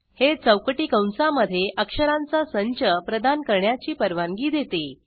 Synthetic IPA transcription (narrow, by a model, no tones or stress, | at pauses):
het͡səwkəʈiːkə̃wnsaməd̪ʱːjeʔəkʂəɾãnt͡sasəɲt͡ɕəpɾəd̪ankəɾɳjat͡ɕiːpəɾʋaŋɡiːd̪jet̪e